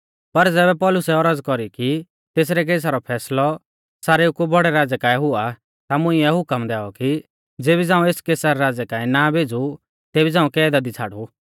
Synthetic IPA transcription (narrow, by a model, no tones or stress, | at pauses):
pɐɾd͡zɛːbɛpɔːlʊsɛɔɾəd͡zkɔɾiki | t̪eːs̬ɾɛk̬eːs̬aɾɔpʰɛːslɔ | saːɾeʊkubʱɔɽɛɾaːd͡zɛkãːɛ̃ɦʊa | t̪amʊ̃iɛɦʊkəmd̪ɛːɔki | d͡zeːbid͡zãːũeːskeːsaɾɛɾaːd͡zɛkaːĩnabʱeːd͡zu | t̪eːbid͡zãːũkɛːd̪ad̪it͡sʰaːɽu